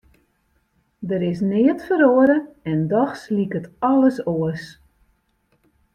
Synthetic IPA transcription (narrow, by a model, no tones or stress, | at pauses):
dəɾɪsnɪətfəɾoəɾəɛndɔxslikətɔləsoəs